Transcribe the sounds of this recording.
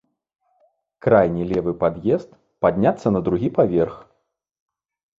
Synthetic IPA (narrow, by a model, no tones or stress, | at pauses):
kɾajnʲilʲɛvɨpad̪jɛst̪ | pad̪ʲnʲat̪sːɐnɐd̪ɾuɣʲipavʲɛrx